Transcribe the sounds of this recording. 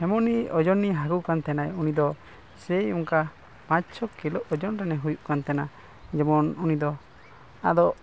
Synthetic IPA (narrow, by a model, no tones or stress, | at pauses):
hɛmɔnːiɔd͡ʒɔnːiɦaɡukant̪ɛnajunid̪ɔ | sɛjuŋka | mat͡ʃʰɔkːilɔʔɔd͡ʒɔnɾɛnɛɦujuʔkant̪ɛna | d͡ʒɔmɔnunid̪ɔ | a̰d̪ɔ